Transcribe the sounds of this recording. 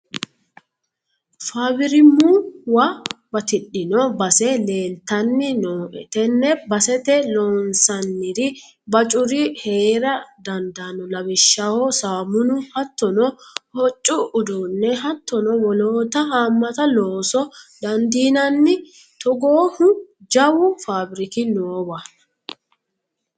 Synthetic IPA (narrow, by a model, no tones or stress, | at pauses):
faːbɪɾɪmːuwɐbɐt̪ɪɗːɪnɔbɐsɛle̞ːlt̪ɐnːɪnoːʔɛ̰t̪ɛnːɛbɐsɛt̪ɛloːnsɐnːɪɾɪ | bɐt͡ʃʼʊɾɪheːɾɐd̪ɐnd̪anɔlɐbɪʃːahɔsaːmʊnʊhɐt̪ːɔnɔhɔt͡ʃʼːʊʊd̪unːɛɦɐt̪ːɔnɔwɔloːt̪ɐhaːmːɐt̪ɐloːsɔd̪ɐnd̪iːnɐnːɪ | t̪ɔɡoːhʊd͡ʒɐwʊfaːbɪɾɪkɪnoːwɐ